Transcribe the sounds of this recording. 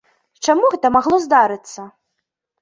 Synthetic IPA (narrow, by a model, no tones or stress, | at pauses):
t͡ʂamuɣɛt̪ɐmaɣlˠɔzd̪aɾɨt̪sːɐ